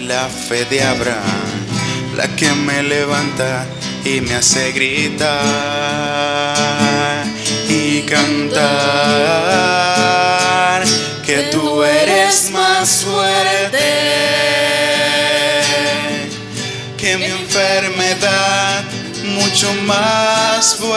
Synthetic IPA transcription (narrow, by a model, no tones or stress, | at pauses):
lafeðeaβɾa̰ŋ | la̰kemeleβant̪a | imeaseɣɾit̪a | ɾ | ikant̪a | ɾ | ket̪ueɾesmasfweɾɾt̪e | kemieɱfeɾmeðað | mut͡ʃomasfw